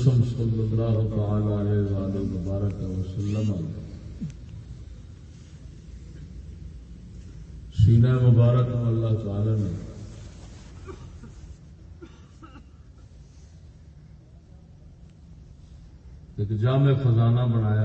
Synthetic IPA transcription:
sɐmsɐlːɐlɾaːɦopaaːlaːleːzaːlemʊbaːɾəkɐsɐlːəma | siːnaːemʊbaːɾəknɐlːaɦt̪aːlaːmẽː | ɪkd͡ʒaːmẽːfɐzaːnabɐñaːjaː

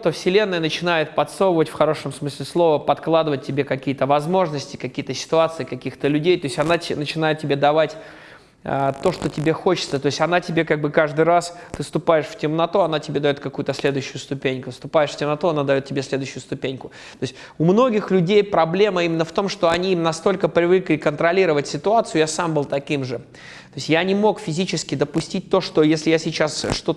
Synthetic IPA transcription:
t̪əfsʲɪlʲe̞nːəjənət͡ɕɪnajɪt̪̚pɐt̪sowəvətʲfxɐɾo̞ʂəmsmɨsʲlʲɪslˠo̞vəpɐt̪klˠad̪ɨvət̚ʲtʲːɪbʲekɐkʲijət̪əvɐzmo̞ʐnəsʲtʲɪ̥kɐkʲijət̪əsʲɪ̥t̪ʊat̪sɨɪkɐkʲixt̪əlʲʉdʲejt̪o̞ɪsʲtʲɐnatʲnət͡ɕɪnajɪt̪̚tʲɪbʲed̪ɐvatʲ | ə̰t̪o̞ʂt̪otʲɪbʲe̞xo̞t͡ɕɪ̥t̪sət̪o̞ɪsʲtʲɐnatʲɪbʲe̞kaɡ̚bɨkaʐd̪ɨjɾast̪ɨst̪ʊpajɪʂftʲɪmnɐt̪uɐnatʲɪbʲe̞d̪ɐjo̞t̪̚kɐkujʊt̪əsʲlʲe̞d̪ʊjɕːʊjʊst̪ʊpʲenʲkʊst̪ʊpajɪʂfʲtʲɪmnɐt̪uɐnad̪ɐjo̞t̪tʲɪbʲesʲlʲe̞d̪ʊɕːʊjʊst̪ʊpʲenʲkʊ | t̪o̞ɪsʲtʲ | ʊmno̞ɡʲɪxlʲʉdʲejpɾɐblʲe̞məimʲɪnːəft̪o̞mʂt̪o̞ɐnʲiinɐst̪o̞lʲkəpɾʲɪvɨklʲɪkənt̪ɾɐlʲiɾəvətʲsʲɪt̪ʊat̪sɨjʊjasambɨlˠt̪ɐkʲimʐɨ | t̪o̞ɪsʲtʲjanʲɪmo̞kfʲɪzʲit͡ɕɪskʲɪd̪əpʊsʲtʲit̚ʲt̪o̞ʂt̪o̞jesʲlʲɪjasʲɪt͡ɕasʂt̪o̞

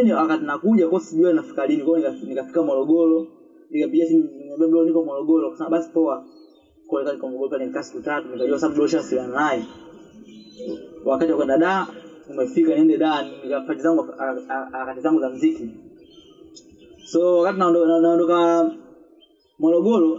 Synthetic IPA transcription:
ɲɔakatinakuʄakɔsiʄuanafi̥kalinikwanikanikafi̥kamɔlɔɡɔlɔ | nikapiɡiasiɔbɛmdɔlɔnikɔmɔlɔɡɔlɔkwasamaɓasi̥pɔa | kɔnikatikɔmɔɡɔlɔpaliɛnikasi̥kutatunikaʄuwasaaɓuɗɔʃ̬asilanaɛ | wakatiwakwɛndaɗaːumɛfikaniɛndɛɗaːnnikapatizaŋɡuaakatizaŋɡuzam̩ziki | sɔwakatinaɔnanaɔndɔka | mwɔlɔɡɔlɔ

